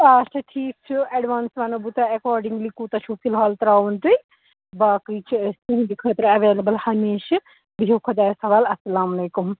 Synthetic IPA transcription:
at͡ʃʰɐʈʰiːk̚t͡ʃʰuɐɖʋaːnsʋɐnɐbut̪ɐɐkaːɾɖiŋɡlikuːt̪ɐt͡ʃʰupʰilɦaːlt̪ɐɾaːʋunt̪ɨj | baːkiːt͡ʃʰiɐst̪ɨɦd̪ikʰəːt̪ɾɐʋeːlɐbɐlhɐmeːʃ | biɦukʰod͡ʒ̪aːjesɐʋaːlɐsːɐlaːmɐleːkum

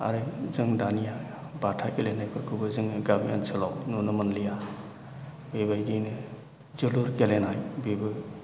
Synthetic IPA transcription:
a̰ɾɯzɯŋdanija | batʰakelenajpʰɯɾkʰɯbɯzɯŋɡabija̰nsʰɯlawnunɯmanlija | bebajdɯjnɯ | zɯluɾkelenajbibɯ

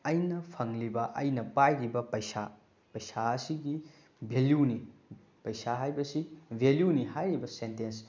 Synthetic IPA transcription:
ɐjnɐpʰɐŋlibɐʔɐjnɐpajɾibɐpɐjsa̰ | pɐjsaɐsiɡi | bʱeljuni | pɐjsaɦajbɐsibʱeljuniɦajɾibɐsentens

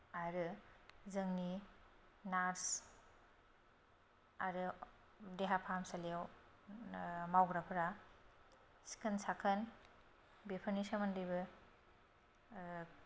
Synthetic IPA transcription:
aɾɯzɐŋni | naɾs | aɾɯ | deɦapʰamsalaw | mawɡɾapʰɯɾa | si̥kʰɯnsʰakʰɯn | bipʰɯnisamandɯjbɯ

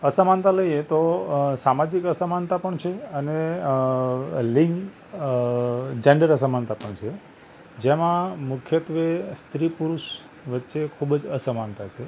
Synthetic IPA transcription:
əsəmant̪aləjet̪osamad͡ʒikəsəmant̪apəɳt͡ʃʰeəne | liŋ | d͡ʒeɳɖəɾəsəmant̪apəɳt͡ʃʰe | d͡ʒemãmukʰjət̪ʋest̪ɾipuɾuʃ | ʋətːʃekʰubd͡ʒəsəmant̪at͡ʃʰe

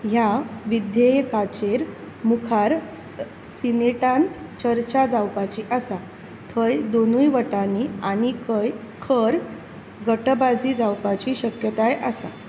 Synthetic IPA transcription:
ɦjaʋid̪jejkat͡ɕeɾ | mukʰaɾ | sineʈãnt̪t͡ɕəɾt͡ɕad͡zawpat͡ɕiʔəsa | t̪ʰəjd̪onujʋəʈanianikʰəj | kʰəɾ | ɡəʈbad͡zid͡zawpat͡ɕiɕəkjət̪ajʔəsa̰

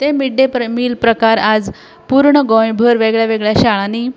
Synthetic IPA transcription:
t̪emiɖemiːlpɾəkaɾad͡z | puɾɳəɡõjbʱəɾʋeɡɭjaʋeɡɭjaɕaɭani

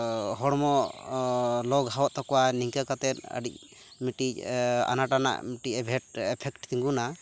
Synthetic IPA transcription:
ɦɔɽmɔ | lɔɡɦawɔʔ̚t̪ɔkɔwaniŋkakat̪ɛt̪̚ə̰ɖic̚ | miʈica̰naʈana̰ʔmiʈiɛbʱɛɛpʰɛkʈt̪iŋɡuna

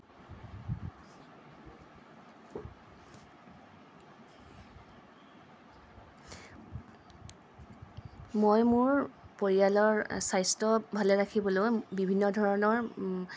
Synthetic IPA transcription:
mojmʊɹpoɹijalɔɹsajstɔbʱalɛɹakʰibɔlojbibʱinːɔdʱɔɹɔnɔɹ

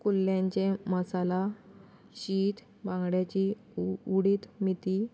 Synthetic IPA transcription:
kulːjãɲt͡ɕeməsala | ɕiːt̪ | bãŋɡɽjat͡ɕi | uɽiːt̪mit̪i

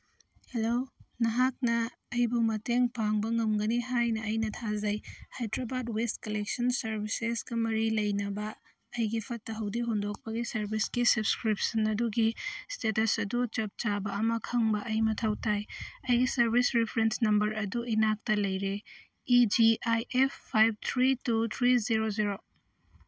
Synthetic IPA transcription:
helonɐɦak̚nɐː | jbumɐteŋpaŋbɐŋɐmɡɐniɦajnɐːjnɐtʰazɐjhajdɾabadwest̚kɐlek̚sɐnsɐɾbisesɡ̥ɐmɐɾilɐjnɐbɐː | jɡipʰɐtːɐɦɐwdiɦondok̚pɐɡisɐɾbisɡisɐbskɾip̚sɐnɐduɡistetɐsɐdut͡ʃɐp̚t͡ʃabɐːmɐkʰɐŋbɐʔɐjmɐtʰɐwtajɐjɡisɐɾbʱisɾipʰɐɾensnɐmbɐɾʔɐduinak̚tɐlɐjɾe | id͡ʒiajʔepːʰajb̚t̪ʰɾitut̪ʰɾiziɾoziɾo

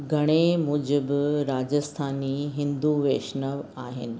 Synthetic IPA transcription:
ɡʱɐɽ̃emʊ̃d͡ʑɪbɪɾaːd͡ʑəst̪ʰaːniɦɪ̃nd̪uʋeːʃnəʋaːɦɪ̰nɪ̆

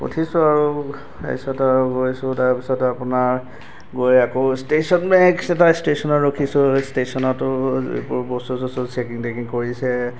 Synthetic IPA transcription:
o̰tʰisʊaɹu | a̰jsɔtɹɡojsʊtaɹpisɔtapʊnaɹ | ɡojakostesɔnmɛkɛtastesɔnɔɹokʰisʊstesɔnɔtʊḛpɔɹbɔstusɔsʊsekiŋdekiŋkoɹisɛ

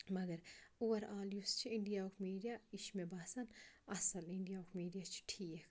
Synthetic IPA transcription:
mɐɡɐɾuwɐɾaːljust͡ʃʰiiɳɖijaokʰmiːɖijaiʃmebaːsɐnɐsɐliɳɖijaokʰmiːɖijat͡ʃʰi̥ʈʰiːkʰ

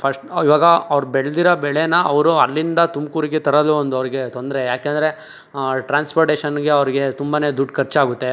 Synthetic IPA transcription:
pʰɐsʈiʋaːɡɐɐʋɾubɛɭd̪iɾɐbɛɭenɐɐʋɾuɐlːind̪ɐt̪umkuːɾiɡet̪ɐɾɐluond̪uɐʋɐɾiɡe̞t̪o̞nd̪ɐɾejaːkeːnd̪ɐɾe̞ | ʈɾaːnspoːɾʈeːʃɐnɡe̞ɐʋɐɾiɡe̞t̪umbane̞ːd̪uɖkʰɐɾt͡ʃaːɡut̪ːe̞

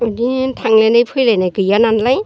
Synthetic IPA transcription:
ɯditʰaŋlajnajpʰɯjlajnajkɯjananlaj

